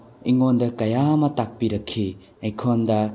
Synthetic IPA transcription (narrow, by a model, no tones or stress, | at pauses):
iŋondɐkɐjamɐtak̚piɾɐkʰːi | ɐjkʰondɐ